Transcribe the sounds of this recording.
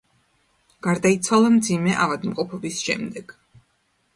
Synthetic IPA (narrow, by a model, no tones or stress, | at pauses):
ɡ̥aɾd̪ait̪sʰwalˠamd̪zimɛʔavad̪mqʼɔpʰɔbisʃɛ̰md̪ɛɡ̥